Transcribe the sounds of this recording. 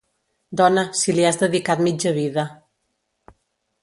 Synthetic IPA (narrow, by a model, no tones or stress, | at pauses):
d̪ɔnəsiliazðəðikat̪mid͡ʒəβiðə